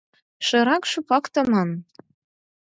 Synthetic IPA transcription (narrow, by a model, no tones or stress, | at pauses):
ʃɤ̆ɾɑkʃupɑkt̪ɤ̆mɑn